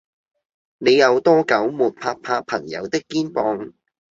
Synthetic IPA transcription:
ne˨˧jɐ˨˧wt̪ɔː˥kɐ˨˥wmuː˨t̚pʰaː˧k̚pʰaː˧pʰɐ̰˨˩ŋjɐ̰˨˧wt̪ɪ˥kːiː˥npɔː˧ŋ

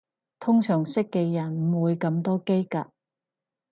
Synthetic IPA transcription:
t̪ʰʊ˥ŋsʰœː˨˩ŋsɪ˥kːɛː˧jɐ˨˩nm̩˨˩wuː˨˧jkɐ˨˧˥mt̪ɔː˥ke˥jka̰˧˨

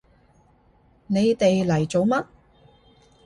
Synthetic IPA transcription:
ne˨˧jt̪e˨jlɐ˨˩jt͡so˨˧wmɐ˥t̚

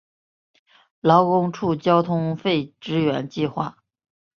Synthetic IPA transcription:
lɑ˧˥ʊkʊ˥ŋʈ͡ʂʰu˥˩t͡ɕjɑ˥ʊt̪ʰʊ˥ŋfe˥˩ɪʈ͡ʂɻ̩˥ɥɛ˧˥nt͡ɕi˥˧xwa̰˥˩

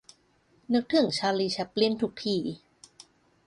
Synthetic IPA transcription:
nɯ˦˥k̚t̪ʰɯ˧˩˦ŋt͡ɕʰaː˧liː˧t͡ɕʰa˧˦˥pːli˦˥˨nt̪ʰu˦˥k̚t̪ʰiː˧˩

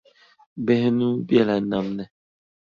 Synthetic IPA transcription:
bɛ˦hnũ˦bjɛ˦˨la˨˦na˨mnɛ˨

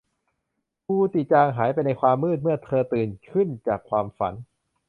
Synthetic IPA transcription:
pʰuː˧t̪i˨˩t̪̚t͡ɕaː˧ŋɦaː˩˦jpa˧jna˧jkʰwaː˧mːɯː˥˩t̪̚mɯ˥˩ɐt̪ʰɤː˧t̪ɯː˨˩nkʰɯ˥˩nt͡ɕaː˨˩kʰwaː˧mfa̰˩˦n

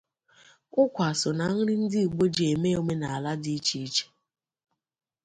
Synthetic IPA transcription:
ʊ˦kʷa˨sʊ˨na˨˦ŋ̩˦ɾɪ˦n̩˦dɪ˦u˨ɡ͡bo˦d͡ʒe˨me˦o˨˦me˦na˨a˨la˦di˦t͡ʃi˦i˦t͡ʃe̥˨

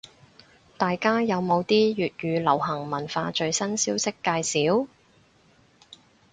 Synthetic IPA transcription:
t̪aː˨jkaː˥jɐ˨˧wmo˨˧wt̪iː˥jyː˨t̚ɥyː˨˧lɐ˨˩whɐ˨˩ŋmɐ˨˩nfaː˧t͡ʃɵ˧ɥsɐ˥nsiː˥wsɪ˥kːaː˧jsiː˨˥w

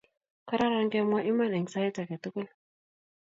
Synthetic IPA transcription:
ka˦ɾa˦ɾa˦ŋɡɛ˦ma˦ʔi˦ma˦nɛ˨ŋsa˦i˦ta˨kɛ˨tu˦ku˦l

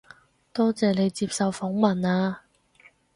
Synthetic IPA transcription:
t̪ɔː˥t͡sɛː˨ne˨˧jt͡siː˧p̚sɐ˨wfɔː˨˥ŋmɐ˨˩naː˧

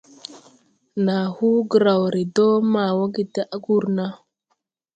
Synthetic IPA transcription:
na˨hu˦ɡə˨ɾa˨wɾi˨do˦ma˨wa˦ɡi˨ta˦ʔa˦ɡu˦˨ɾna˦

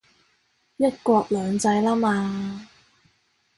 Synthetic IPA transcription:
jɐ˥t̚kʷɔː˧k̚lœː˨˧ŋt͡sɐ˧jlaː˥maː˧

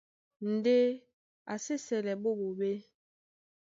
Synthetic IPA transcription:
n̩˨de˦ | a˨se˦sɛ˨lɛ˨bo˦˨bo˨be˦

